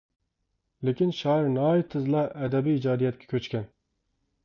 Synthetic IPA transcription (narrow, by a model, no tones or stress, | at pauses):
lɪkʲinʃɑːiɾnɑːit̪ʰɨzlˠɑʔɛd̪ɛbiːd͡ʒɑːd̪ijɛt̪̚kʲʰɛ̥kʲʰøt͡ʃkʲɛn